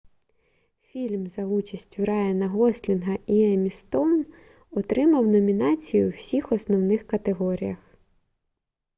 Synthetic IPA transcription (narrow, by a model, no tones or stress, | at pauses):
fʲilʲmzɐut͡ʃɐsʲtʲʊɾɑjɐnɐɦɔsʲlʲinɦɐiɛmʲist̪ɔwn | ɔt̪ɾɪmɐwnɔmʲinɑt͡sʲijʊwsʲixɔsnɔwnɪxkɐt̪eɦɔɾʲijɐx